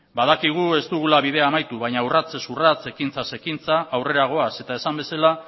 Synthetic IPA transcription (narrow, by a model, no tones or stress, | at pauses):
baðakiɣ̞ue̞st̪uɣulaβiðe̞aːmajt̪uβaɲaurat͡se̞surat͡se̞kint͡sase̞kint͡saʔawre̞ɾaɣ̞o̞ase̞t̪aesambe̞sala